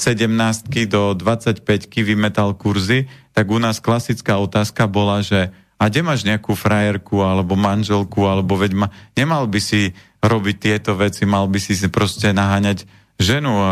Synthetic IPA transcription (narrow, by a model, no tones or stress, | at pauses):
sɛɟɛmnaːst̪̚kid̪ɔd̪ʋat͡sacpɛckiʋimɛt̪alkuɾzit̪aɡunaːsklasit͡skaːɔt̪aːskabɔlaʒɛ | aɡɟɛmaːʒɲɛakuːfɾajɛɾkualɛbɔmanʒɛlkualɛbɔʋɛɟmaɲɛmalbisi | ɾɔbic̚t̪ɪɛt̪ɔʋɛt͡simalbisipɾɔscɛnaɦaːɲaɟ | ʒɛnu